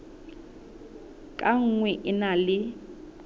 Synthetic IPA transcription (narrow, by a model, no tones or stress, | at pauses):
kʼaŋ̩ŋwɛʔɪnalɪ